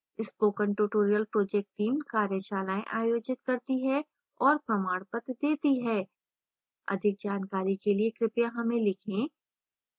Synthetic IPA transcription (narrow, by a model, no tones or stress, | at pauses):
ɪspoːkə̃ɳʈuʈoːɾijəlpɾoːd͡ʒɛːk̚ʈʈːiːmkaːɾjəʃaːlaːḛ̃ʔaːjoːd͡ʒɪt̪̚kɐɾt̪iɦɛ | ɔːɾpɾɐmaːɽpət̪d̪eːt̪iɦɛː | ɐ̰d̪ʱɪk̚d͡ʒaːnkaːɾikeliekɾɪpjaɦɐmẽlɪkʰẽː